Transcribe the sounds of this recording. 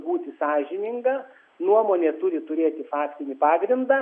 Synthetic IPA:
buːt̪ʲɪsɑːʒʲɪnʲɪŋɡɐː | nuɔmoːnʲeːt̪ʊɾʲɪt̪ʊɾʲeːt̪ʲɪfɑːkt̪ʲɪnʲɪpɑːɡɾʲɪnd̪ɑː

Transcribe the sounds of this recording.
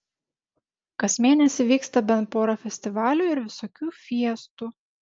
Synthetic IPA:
kɐsʲmʲeːnʲɛsʲɪʋʲiːkst̪ɐbʲɛnt̪̚poːɾɐfʲɛsʲt̪ʲɪʋɑːlʲuːɪɾʋʲɪsoːkʲuːfʲiɛst̪uː

